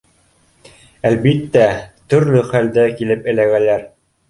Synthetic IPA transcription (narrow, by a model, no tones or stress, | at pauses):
ælbit̪ːæt̪ɵ̆ɾlɵχæld̪ækilɘpɘ̆læɡælæɾ